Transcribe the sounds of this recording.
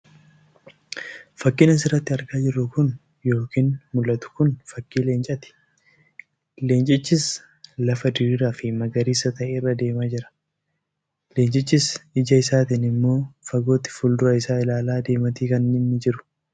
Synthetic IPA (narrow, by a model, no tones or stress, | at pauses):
fɐkːɪnɐs̬ɪrːɐt̪ːɪɐɾɡaːd͡ʒɪrːʊkʊn | jo̞ːkiːnmʊlːɐt̪ʊ̥kʊnfɐkːiːle̞ːnt͡ʃʼɐt̪ɪ̥ | le̞ːnt͡ʃʼɪt͡ʃːɪs | lɐfɐd̪ɪɾiɾaːfɪmɐɡɐɾiːsɐt̪ɐʔeːrːɐd̪e̞ːmaːd͡ʒɪɾɐ̥ | leːnt͡ʃʼɪt͡ʃːɪsɪd͡ʒɐɪsaːt̪ɪnɪmːo̞ːfɐɡo̞ːt̪ɪ̥fuːld̪ʊɾɐɪsaːɪlaːlaːd̪e̞ːmɐt̪iːkɐnːɪnːɪd͡ʒɪɾʊ̥